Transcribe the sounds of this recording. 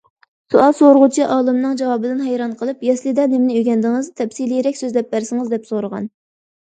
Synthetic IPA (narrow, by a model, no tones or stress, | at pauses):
suʔɑsoɾəʁut͡ʃʰiʔɑːlˠɨmnɨŋd͡ʒɑwɑːbɨd̪ɪnɦɛjɾɑnqʰəlˠɨpjɛslˠɨd̪ɛnɪmnɪyɡʲɛnd̪ɪŋɨzt̪ʰɛpsilijɾɛkʲsøzlɛp̚bæɾsɨŋɨzd̪ɛpsoɾəʁɑ̰n